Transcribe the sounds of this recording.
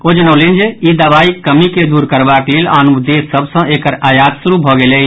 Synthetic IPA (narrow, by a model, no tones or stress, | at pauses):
od͡ʒənəlind͡ʒeid̪əβaikəmiked̪uɾkəɾbaklela̰nud̪esːəbsə̃ʔekəɾajat̪suɾubʱɔɡele